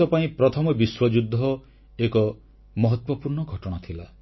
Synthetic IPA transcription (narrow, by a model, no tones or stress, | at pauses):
ɔpaĩpɾɔt̪ʰɔmɔbiswɔd͡ʒud̪ʱːɔ | ekɔ | mɔɦɔt̪wɔpuɾɳɔɡʱɔʈɔɽ̃at̪ʰila